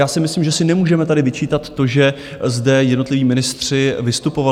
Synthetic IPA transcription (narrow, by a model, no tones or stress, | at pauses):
jaːsɪmɪsliːmʒɛsɪnɛmuːʒɛmɛt̪adɪvɪt͡ʃiːt̪at̪ːo̞ʒɛ | zdɛjɛdno̞t̪lɪviːmɪnɪst̪r̥ɪvɪst̪upo̞va